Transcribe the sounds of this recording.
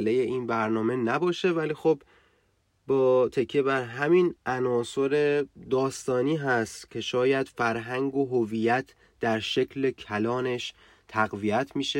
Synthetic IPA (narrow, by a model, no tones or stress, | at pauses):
lejeiːnbæɾnɒːme̞næbɒːʃe̞væliːxob | bɒːt̪ʰe̞kʰːebæɾɦæminʔænɒːso̞ɾe̞d̪ɒːst̪ɒːniːɦæst̪cʲʰe̞ʃɒːjæd̪̥fæɾɦæŋɡoɦoviːjæt̪ʰ | d̪̥æɾʃe̞kʰle̞kʰælɒːne̞ʃ | t̪ʰæɣvijæt̪ʰmiːʃe